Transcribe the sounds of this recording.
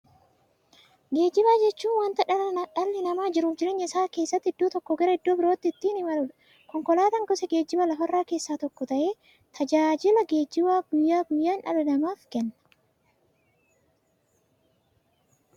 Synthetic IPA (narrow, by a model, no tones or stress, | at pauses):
ɡe̞ːd͡ʒɪbaːd͡ʒɛt͡ʃːuːnwɐnt̪ɐᶑɐlɐnᶑɐlːɪnɐmaːd͡ʒɪɾuːfd͡ʒɪɾeːɲːɐɪsaːke̞ːsːɐt̪ːɪɪd̪ːoːt̪ɔkːɔɡɛɾɐɪd̪ːoːbɪɾoːt̪ːɪɪt̪ːiːnɪmɐlʊᶑɐ | kɔŋkɔlaːt̪ɐŋɡɔsɛɡe̞ːd͡ʒːɪbɐlɐɦɐrːaːke̞ːsːaːt̪ɔkːɔt̪ɐʔe̞ː | t̪ʰɐd͡ʒaːd͡ʒɪlɐɡeːd͡ʒɪbaːɡʊjːaːɡʊjːaːnᶑɐ̰lɐnɐmaːfkɛnːɐ̥